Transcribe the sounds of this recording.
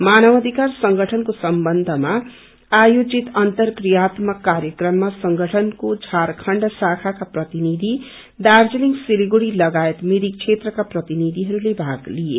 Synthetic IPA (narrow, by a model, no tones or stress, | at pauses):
manʌbʌd̪ʱikarsʌŋɡʱʌʈʰʌnkosʌmbʌnd̪ʱʌma | ajod͡zit̪ʌnt̪ʌrkrijat̪mʌkaɾjʌkrʌmːasʌŋɡʱʌʈʰʌnkod͡zʱaɾkʰʌɳɖsakʰakaprʌt̪inid̪ʱi | d̪ard͡zeliŋɡsiliɡoɾilʌɡaet̪miɾik̚t͡sʰet̪rʌkaprʌt̪inid̪ʱiɦʌɾulebʱaɡlije